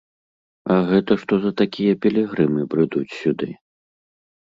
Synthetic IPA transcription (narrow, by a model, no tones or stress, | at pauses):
ɐɣɛt̪ɐʂt̪ɔzɐt̪akʲʰijɐpʲɛlʲɛɣɾɨmɨpɾɨd̪ut͡sʲsʲud̪ɨ